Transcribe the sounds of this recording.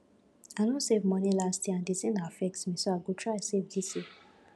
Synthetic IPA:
aɪnõsevmɔnilastjeãndisĩnafɛk̚tmĩsoaɪɡotʰɹaɪsevdise

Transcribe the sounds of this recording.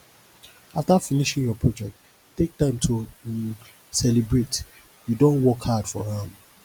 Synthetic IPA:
aftafiniʃĩŋjɔpʰɹɔd͡ʒɛk̚t | tek̚tãɪ̃mtʰu | sɛlibɹet | judõnwɔkhadfɔhãm

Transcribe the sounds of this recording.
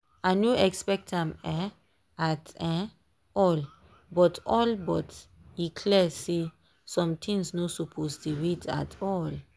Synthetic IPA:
anoɛkspɛk̚tãmɛ | atɛ̃ | ɔl | bɔtʰɔlbɔt | ikʰlɛse | sɔ̃mtʰĩŋsnosupʰostuwita̰tʰɔl

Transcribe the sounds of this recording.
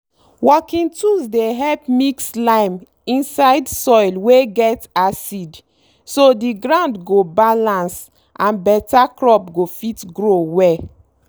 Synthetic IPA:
wɔkĩntuzdeɦɛlpmikslãɪ̃m | ĩnsaɪdsɔlweɡɛtasid | sodiɡɹãʊ̃ndɡobalãns | ʔãnbɛtakɹɔpɡofitɡɹowɛ

